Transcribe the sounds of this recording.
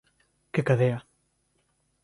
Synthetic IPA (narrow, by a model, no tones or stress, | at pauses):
kekaðea